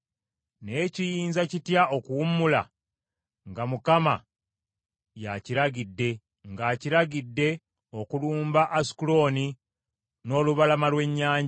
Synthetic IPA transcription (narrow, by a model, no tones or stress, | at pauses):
ne̞ːcijiːnzacitjao̞kuwumula̰ | ŋɡamukama̰ | jaciɾaɡidːe̞ | ŋɡaːciɾaɡidːe̞ | o̞kuluːmbaʔːsi̥kulo̞ːni | no̞ːluβalamalwe̞ɲːaːɲ